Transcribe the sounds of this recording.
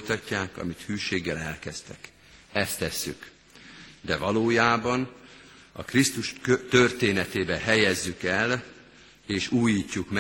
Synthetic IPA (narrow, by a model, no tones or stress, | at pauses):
jt̪ɒcːaːkɒ̰mit̪hyːʃeːɡːɛlɛlkɛst̪ɛk | ɛst̪ːɛsːy̰k | d̪ɛvɒloːjaːbɒn | ɒ̰krist̪uʃt̪ørt̪eːnɛt̪eːbɛɦɛjɛzːykɛl | eːʃuːjiːcːukm